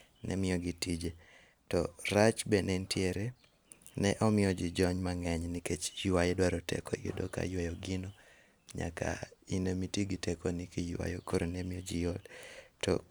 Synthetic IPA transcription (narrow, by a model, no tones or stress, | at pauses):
nʔɛ̰mɪɔɡitid͡ʒe | tɔɾat͡ʃbɛnentjeɾe | nɛʔɔmɪjɔd͡ʒid͡ʒɔɲmaŋɛɲniket͡ʃjwajedwaɾɔtɛ̰kɔ̰jɪ̰doka̰jwajoɡɪno | ɲa̰ka̰inemitiɡitɛkonikijwa̰jo̰koɾonɛmɪjod͡ʒijoltɔ̰